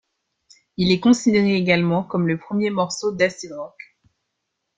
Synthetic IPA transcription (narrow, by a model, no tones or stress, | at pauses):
ilɛkɔ̃sid̪eʁeːɡalmɑ̃kɔmləpχəmjemɔʁsod̪asidʁɔk